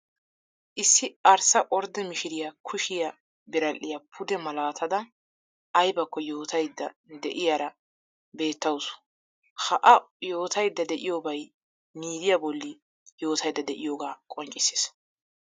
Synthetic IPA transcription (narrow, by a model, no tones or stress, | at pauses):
ʔɪsːɪɐɾsɐʔɔɾd̪ɛmɪʃɪɾɪjɐkʰʊʃɪjɐ | bɪɾɐlːɪjɐpʰʊd̪ɛmɐlaːt̪ʰɐd̪ɐ | ɐjbɐkːɔjo̞ːt̪ɐjd̪ːɐd̪ɛʔɪjaːɾɐ | be̞ːt̪ːɐwsʊ̥ | hɐʔɐjo̞ːt̪ɐjd̪ːɐd̪ɛʔɪjoːbɐj | miːd̪ɪjabɔlːɪ | jo̞ːt̪ɐjd̪ːɐd̪ɛʔɪjoːɡaːkʼɔnt͡ʃʼɪse̥ːs